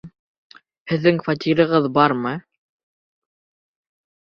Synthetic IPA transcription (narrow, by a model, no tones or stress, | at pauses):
hɘ̆ðːɘŋfat̪ʲiɾɤ̆ʁɤðbɑɾmɤ